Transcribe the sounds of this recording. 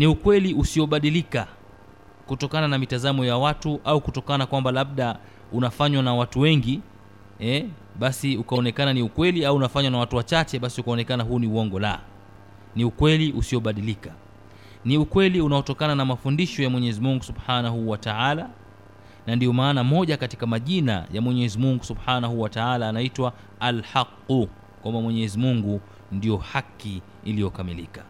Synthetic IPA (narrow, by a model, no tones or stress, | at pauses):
niukwɛliusiɔɓaɗilika | kutɔkananamitazamɔjawatuʔaukutɔkanakwambalaɓ̚ɗa | unafaɲwanawatuwɛŋɡi | ɛ | ɓasiukaɔnɛkananiukwɛliauunafaɲwanawatuwat͡ʃat͡ʃɛɓasiukaɔnɛkanaɦuːniuɔŋɡɔla̰ | niukwɛliʔusiɔɓaɗilika | niukwɛliunaɔtɔkananamafundiʃɔjamwɛɲɛzimuŋɡusubħanaɦuwataala | nandiɔmaːnamɔʄakati̥kamaʄina̰jamwɛɲɛzimuŋɡusubħanaɦuwataalaːnaitwaː | lħaqːu | kwamamwɛɲɛzimuŋɡu | ndijɔhaki | ilijɔkamilikḁ